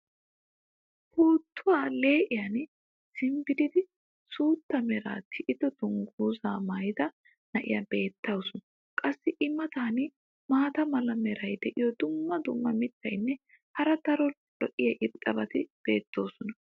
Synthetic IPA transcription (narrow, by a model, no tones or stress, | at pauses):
huːt̪ːʊwaːle̞ːʔɪjɐn | sɪmbɪd̪ɪd̪ɪ | suːt̪ːɐmɛɾa̰ːt̪ʰːɪʔɪd̪ɔd̪ʊŋɡuːzaːmɐjd̪ɐ | nɐʔɪ̰jɐbe̞ːt̪ːɐwsɔn | kʼɐsːɪʔɪmːɐt̪aːnɪ | maːt̪ɐmɐlɐmɛɾɐjd̪ɛʔɪjɔd̪ʊmːɐd̪ʊmːɐmɪt̪ːɐjnːɛ | hɐɾɐt̪ɐɾɔ | d̥ɔʔɪjɐʔɪkʼːɐbɐt̪ɪb̥e̞ːt̪ːo̞ːsɔnɐ